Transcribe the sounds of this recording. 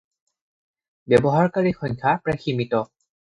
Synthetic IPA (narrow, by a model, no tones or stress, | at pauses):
bɛbɔɦaɹkaɹixɔɲkʰapɹaxʰimitɔ